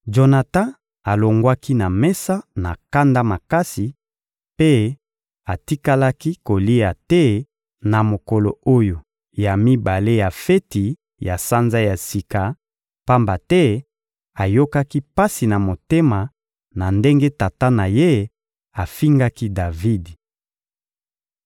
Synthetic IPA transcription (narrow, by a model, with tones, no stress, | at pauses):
d͡ʒo˨na˨tã˦ | a˨lo˨ŋɡwa˦ki˦na˨mɛ˦sa˦na̰˨ka˦nda˦ma˨ka˦si˨ | pe˦ | a˨ti˦ka˦la˦ki˦ko˨li˦a˨tɛ˦ | na˨mo˨ko˨lo˨o˦jo˨ | ja˨mi˦ba˨le˦ja˨fe˦ti˨ | ja˨sa˦nza˦ja˨si˨ka˨ | pa˦mba˨tɛ˦ | a˨jo˦ka˦ki˦pa˦si˨na˨mo˨te˦ma˨ | na˨nde˦ŋɡe˦ta˨ta˦na˨je˦ | a˨fi˦ŋɡa˦ki˦da˨vi˦d